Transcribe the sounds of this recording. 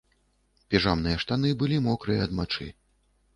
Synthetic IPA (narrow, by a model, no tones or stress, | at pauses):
pʲiʐamnɨjɐʂt̪anɨbɨlʲimɔkɾɨjɐɐd̪mat͡ʂɨ̰